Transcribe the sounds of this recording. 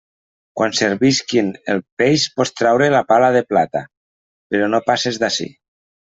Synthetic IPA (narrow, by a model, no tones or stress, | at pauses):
kwʔanseɾβiskinelˠpejspɔst̪ɾawɾelapalað̞eplat̪a̰ | peɾɔnopasezðasḭ